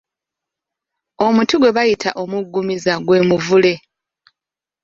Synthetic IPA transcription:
o̞mutuɡwe̞βajitʰa̰ʔo̞muɡːumizaɡwe̞ːmuvule̞

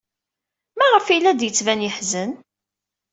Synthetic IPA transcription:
mæʁəfilːæd̪jət͡sːvænjəħzən

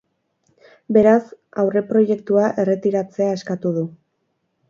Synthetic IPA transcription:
be̞ɾasawre̞pɾo̞je̞k̚t̪uaʔe̞re̞t̪iɾat͡se̞ae̞skat̪uðu

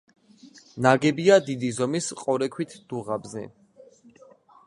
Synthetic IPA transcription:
naɡɛbiad̪id̪izɔmisqʼɔɾɛkʰwit̪ʰd̪̥uʁabzɛ̰

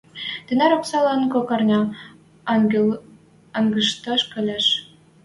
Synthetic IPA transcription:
t̪ɘ̆næɾɑksɑlɑnkokɑrnʲɑ | ɑŋɡə̆ʃt̪ɑʃkɘ̆lʲæʃ

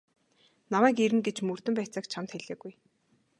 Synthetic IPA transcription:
namæːkeɾɘ̆ŋɡet͡ɕmɵr̥t̪ɘ̆mpæːt͡săːkt͡ɕʰamt̪xeɮeːɡuj

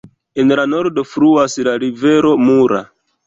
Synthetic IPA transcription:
enlano̞ɾdo̞fɾuaslaɾive̞ɾo̞muɾa̰

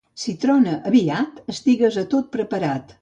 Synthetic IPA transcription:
sit̪ɾonəʔəβiat̪əst̪iɣəzət̪ot̪̚pɾəpəɾat̪

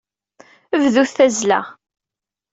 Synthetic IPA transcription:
əvðuθθæzlæ̰ʁ

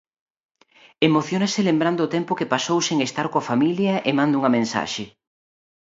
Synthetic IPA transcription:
emoθjonɐsɪlembɾand̪ʊːt̪ɛmpʊkepasowseŋest̪aɾkoafamiljɐʔemãnd̪uŋɐmẽnsa̰ʃe

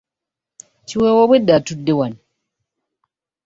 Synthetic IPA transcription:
t͡ʃiwɛwɔbwedatudːewan

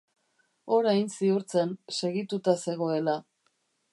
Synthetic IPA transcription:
o̞ɾajnsiuɾt͡sense̞ɣit̪ut̪ase̞ɣ̞o̞e̞la

